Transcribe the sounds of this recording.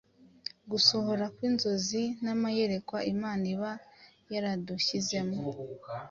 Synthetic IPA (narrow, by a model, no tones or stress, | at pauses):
ɡuso̞ho̞ɾakwiːnzo̞zinamaje̞ɾe̞kwaimaːniβa | jaɾaduçize̞mo